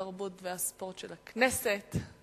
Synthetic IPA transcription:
aʁbutveaspo̞ʁt̪ʃelakneset

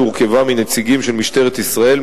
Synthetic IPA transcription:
uʁke̞vamine̞t͡siɡimʃe̞lmiʃt̪e̞ʁet̪isʁae̞l

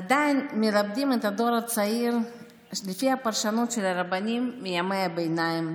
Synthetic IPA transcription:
ad̪ajnmelab̚d̪imet̪ad̪oɾat͡saiɾ | lefihapaɾʃanot̪ʃelaɾabanimːijamejabejnajim

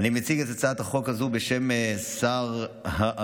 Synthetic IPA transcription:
nimet͡siɡezet͡saat̪haχo̞khazubeʃe̞msaʁha

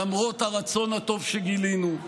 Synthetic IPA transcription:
amʁo̞t̪haʁat͡so̞nhat̪o̞vʃeɡilinu

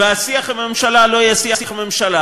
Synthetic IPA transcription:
easiaχamemʃalalojasiasimemʃala

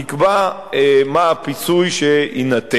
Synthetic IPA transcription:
ikba | maːpit͡sujʃeinat̪e

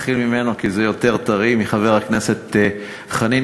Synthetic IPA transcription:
χilmimenokizejo̞t̪e̞ʁt̪aʁimiχave̞ʁhaknese̞t̪ | χani

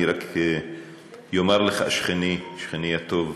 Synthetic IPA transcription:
iɾak | jomaɾleχaaʃχeniʃχenihat̪ov

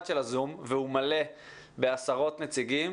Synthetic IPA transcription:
ʃelazumvehumale̞ | be̞asaʁo̞t̪net͡siɡim

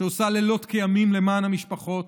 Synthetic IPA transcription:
eosalelo̞t̪kejamimle̞maːnhamiʃpaχo̞t̪

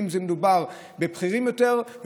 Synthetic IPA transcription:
mzemed̪ubaʁ | bepχiʁimjoteʁv

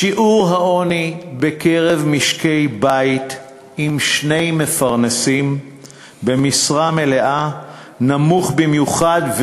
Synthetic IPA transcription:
ʃiʔuʁɦao̞nibe̞keʁe̞vmiʃke̞jbait̪ | imʃne̞jme̞faʁnesim | bemisʁame̞le̞ʔa | namuχbimjuχadv

